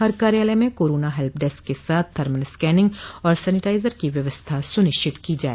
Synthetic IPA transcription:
ɦɐɾkaːɾjaːləmẽkoːɾoːnaɦɛlp̚ʰɖɛːskːesaːt̪̚ʰd̪ʱɐɾməlskɛːnɪ̃ŋɡɔːɾsɛːnɪʈaːɪzəɾkiʋjɐʋəst̪ʰasʊnɪʃt͡ʃɪt̪kid͡ʒaːḛː

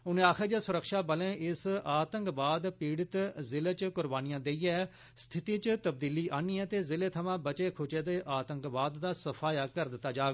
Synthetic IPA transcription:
ʊnẽːaːkʰeːd͡ʒɛːsʊɾəkʃaːbəlẽːʔɪsaːt̪əŋkbaːd̪piːɽɪt̪zɪleːt͡ʃkʊɾbaːnɪjãːd̪eːiːɛː | st̪ʰɪt̪iːt͡ʃt̪əb̚d̪iːliːʔaːniːɛːt̪eːzɪleːt̪ʰəmãːbət͡ʃeːkʰʊt͡ʃeːd̪eːʔaːt̪ə̃ŋkbaːd̪ːaːsəpʰaːjaːkəɾd̪ɪt̪ːaːd͡ʒaːɡ

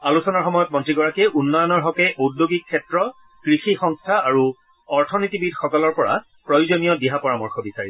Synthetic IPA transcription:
alusɔnaɹxɔmɔjɔt̚mɔntɹiɡɔɹakɛʔunːɔjɔnɔɹɦɔkɛʔodjoɡikʰːɛtɹɔ | kɹixixɔŋstʰaaɹu | ɔɹtʰɔnitibidxɔkɔlɔɹpɔɹa̰ | pɹɔjuzonijɔdiɦapɔɹamɔɹxɔbisaɹi

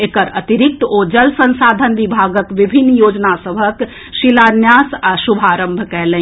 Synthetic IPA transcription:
ekəɾət̪iɾik̚t̪od͡ʒəlsə̃nsaːd̪ʱənʋibʱaːɡəkʋibʱinːjoːd͡ʒnasəbʱək | ʃilaːnjaːsasubʱaːɾə̃mbʱkɛlẽ

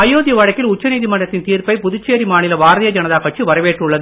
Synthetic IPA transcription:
ɐjoːðjɐʋɐɻɐkːɪlʊt͡ʃːɐniːðimɐɳɖrɐt̪ːɪnt̪iːrpɐɪpʊðʊt͡ʃːeːɾimaːnɪlɐʋaːɾɐðɪjɐd͡ʒɐnɐðaːkɐʈ̚t͡ʃɯʋɐɾɐʋeːʈrʊɭːɐðɯ

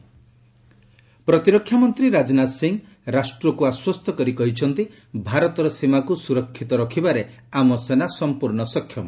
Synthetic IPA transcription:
pɾɔt̪iɾɔkʰːjamɔnt̪ɾiɾad͡ʒnasiŋɡ | ɾasʈɾɔkuaswɔst̪ʰɔkɔɾikɔɦit͡ʃʰɔnt̪i | bʱaɾɔt̪ɔɾɔsimakusuɾɔkʰːit̪ɔɾɔkʰibaɾe | amɔsenasɔmpuɾɳɔsɔkʰːjɔmɔ

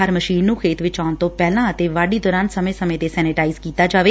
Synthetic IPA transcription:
əɾməʃiːnːũːkʰeːt̪ʋɪt͡ʃaːnt̪õːpɛːlãːət̪eːʋaːɖiːd̪ɔːɾaːnsəmẽːsəmẽːt̪eːsɛːnɪʈaːɪzkiːt̪aːd͡ʒaːʋeː

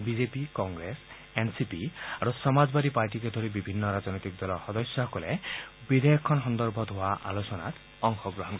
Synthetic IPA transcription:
bid͡ʒepikɔŋɡɾes | ensipiaɾusɔmad͡ʒbad̪ipaɾʈiked̪ʱɔɾibibʱinːɔɾad͡ʒɔnɔjt̪ik̚d̪ɔlɔxɔd̪ɔsjɔɦɔkɔlebid̪ʱejɔkʰːɔnɦɔnd̪ɔɾbʱɔd̪ʱoaʔa̰losɔna̰t | ɔŋxɔɡɾɔɦɔnkɔ

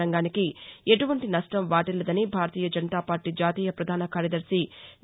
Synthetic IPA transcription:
ɐŋɡaːnikieʈuʋɐɳʈinɐʂʈɐmʋaːʈɛlːɐd̪ɐnibʱaːɾɐt̪iːjɐd͡ʒɐnt̪aːpaːɾʈid͡ʒaːt̪iːjɐpɾɐd̪ʱaːnɐkaːɾjɐd̪ɐɾsin

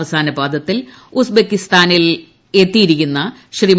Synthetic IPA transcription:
ʋɐsaːnɐbaːd̪ɐt̪ːil | usbekːist̪aːnil | e̞t̪ːijiɾikʲːunːɐɕrim

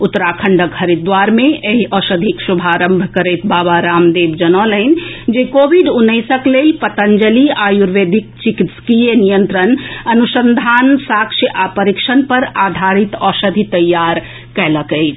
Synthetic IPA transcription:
ut̪ːəɾakʰəɳɖəɡɡʱəɾid̪waɾmẽeɦiɔsəd̪ʱiksubʱaɾəmbʱkəɾet̪babaɾamd̪ebd͡ʒənɔlənd͡ʒekobʱiɖunːəɪsəklelpət̪ənd͡ʒəliajuɾʋed̪ʱik̚t͡ʃikit̪skijenijənt̪ɾənənusənd̪ʱansakʃjəʔapəɾikʃənpəɾad̪ʱaɾit̪ɔsəd̪ʱit̪əjːaɾ | kɛɦləkəɪt͡ʃʰ

